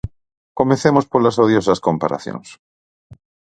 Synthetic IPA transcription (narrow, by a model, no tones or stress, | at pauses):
komẽθemospoɾlasoðjosaskõmpa̰ɾa̰θjõ̰ŋs